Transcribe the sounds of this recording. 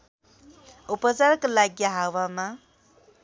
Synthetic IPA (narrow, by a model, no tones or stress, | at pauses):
upʌt͡sarkolaɡjʌɦawama